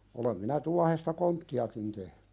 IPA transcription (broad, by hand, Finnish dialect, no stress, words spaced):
olem minæ tuɑhestɑ kontːiɑkin tehn̥ẙ